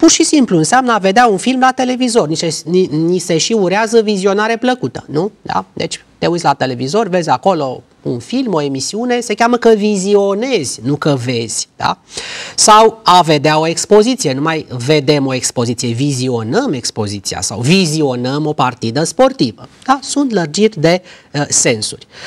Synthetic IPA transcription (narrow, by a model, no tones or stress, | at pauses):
purʃisimpluɨnseamnəave̞d̪eaunfilmlat̪e̞le̞vizo̞rniseinise̞ʃiuɾeazəvizio̞naɾepləkut̪ə̥nud̪̥a̰d̪e̞t͡ʃʲt̪e̞ut̪sʲlat̪e̞le̞vizo̞rʲve̞zʲako̞lo̞ | ṵnfilmo̞e̞misiune̞se̞kʲaməkəvizio̞ne̞z̥ʲnukəve̞z̥ʲd̪̥a̰sawave̞d̪eao̞e̞kspo̞zit̪sijenumajve̞d̪e̞mo̞e̞kspo̞zit̪sije̞vizio̞nəme̞kspo̞zit̪sija̰sa̰wvizio̞nəmo̞part̪id̪əspo̞rt̪ivəd̪̥asunt̪lərd͡ʒit̪ʲd̪e̞se̞nsṵrʲ